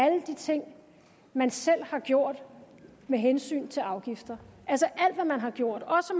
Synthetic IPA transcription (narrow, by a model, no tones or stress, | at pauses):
æləd̥it͡sʰe̝ŋ̰ | mænsel̰hɑ̈ɡ̥jo̝ɐ̰d̥ | meɦensy̰ːnt͡sʰe̝lɑ̈ʊɡ̥ifd̥ɐʔælsəʔæl̰d̥ʋæmænɦɑ̈ɡ̥jo̝ɐ̰d̥ɒ̽sə